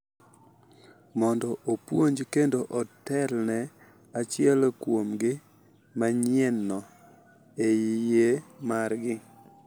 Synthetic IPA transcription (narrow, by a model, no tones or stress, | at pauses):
mɔndɔʔopwoɲd͡ʒkendoʔɔtɛlnɛ | at͡ʃɪɛlkwomɡɪ | maɲɪɛnːɔ | ejijemarɡɪ